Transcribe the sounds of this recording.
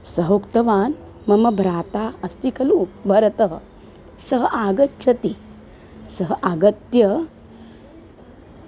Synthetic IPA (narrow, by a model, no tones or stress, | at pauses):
sɐɦoːkt̪ɐʋaːn | mɐmɐbʱɾaːt̪aːɐst̪ikʰɐluːbʱɐɾɐt̪əɦ | sɐɦɐʔaɡɐtːt͡ʃʰɐt̪i | sɐɦɐʔaɡɐt̪jɐ